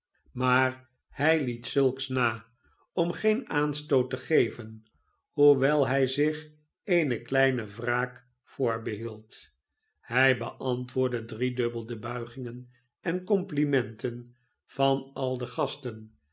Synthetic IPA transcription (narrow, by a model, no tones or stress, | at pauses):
maːr | hɛjlitsɵlˠksnaː | ɔmχejnaːnstowtəχejvən | huʋɛlˠɦɛjzɪχ | ejnəklɛjnəvraːk | fʊːɹbəɦilˠt | hɛjbəʔɑntʋʊːɹdədridɵbəlˠdəbœɥχɪŋən | ʔɛnkɔmplimɛntən | v̥ɑnɑlˠdəχɑstən